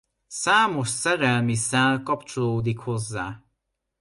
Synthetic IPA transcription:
saːmo̞ʃsɛɾɛlmisalkɒpt͡ʃo̞loːd̪ikho̞zːaː

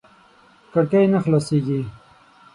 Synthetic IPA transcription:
kaɽkajnaxlaseɡi

